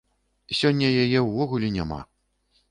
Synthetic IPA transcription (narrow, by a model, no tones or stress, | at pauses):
sʲɔnʲːɐjajɛwvɔɣulʲinʲama̰